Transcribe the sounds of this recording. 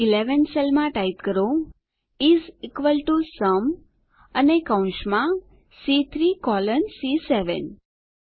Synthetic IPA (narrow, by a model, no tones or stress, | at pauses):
ileʋənselmãʈait̪kəɾo | izikʋəlʈusəm | ənekãʊ̃ʃmã | sit̪ʰɾikɔlənsiseʋə̰n